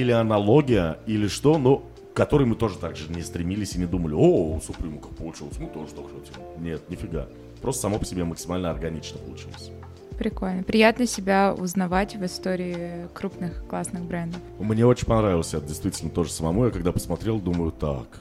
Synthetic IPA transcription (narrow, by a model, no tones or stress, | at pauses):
ilʲɪɐnɐlˠo̞ɡʲɪjəilʲɪʂt̪o̞no | kɐt̪oɾɨjmɨt̪o̞ʐɨt̪aɡʐɨnʲɪst̪ɾʲɪmʲilʲɪsʲɪnʲɪd̪uməlʲɪousʊpɾʲumkəfpəlˠʊt͡ɕilˠəsʲmɨt̪oʐət̪okotʲim | nʲe̞t̪̚nʲɪfʲɪɡa̰ | pɾost̪əsɐmopə̥sʲɪbʲeməksʲɪmalʲnəɐrɡɐnʲit͡ɕnəpəlˠʊt͡ɕḭlˠəsʲ | pɾʲɪko̞lʲnəpɾʲɪjat̪nəsʲɪbʲaʊ̰znɐvatʲvɨst̪oɾʲɪːkɾupnɨxklˠasnɨxbɾɛnd̪əfmnʲeot͡ɕɪnʲpɐnɾavʲɪlˠəsʲɛdʲɪst̪vʲitʲɪlʲnət̪o̞ʐəsəmɐmujakɐɡd̪apə̥smɐt̪ɾʲelˠd̪uməjʊt̪a̰k